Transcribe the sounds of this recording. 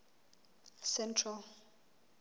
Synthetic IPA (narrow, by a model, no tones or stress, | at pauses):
sɛntʰral